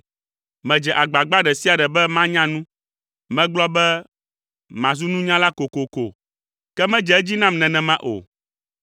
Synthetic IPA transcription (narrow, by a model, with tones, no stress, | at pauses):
mɛ̃˨d͡ʒɛ˨ʔa˨ɡ͡ba˨ɡ͡ba˦ɖɛ˨si˦a˨ɖɛ˨bɛ˦mã˦ɲã˦nũ˦ | mɛ̃˦ɡ͡blɔ˦bɛ˦ | mã˨zu˦nũ˦ɲã˦la˦ko˨ko˨ko˨ | kɛ˦mɛ̃˦d͡ʒɛ˨ɛ˦d͡ʑi˦nã˦mnɛ̃˨nɛ̃˨mã˦ʔo̰˨